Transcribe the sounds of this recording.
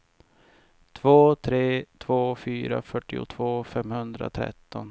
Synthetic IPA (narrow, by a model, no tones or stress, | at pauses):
t̪ʰvoːt̪ʰɾeːt̪ʰvoːfyːɾafœʈːɪʊ̰t̪ʰvoːfɛmhɵnd̪ɾa̰t̪ʰɾɛ̰t̪ːɔn